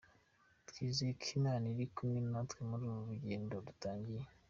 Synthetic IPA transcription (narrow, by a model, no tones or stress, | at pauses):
tkiːzekʰinaːniɾikumennatwemuɾuːβoβuɟeːndodutaːɲɟije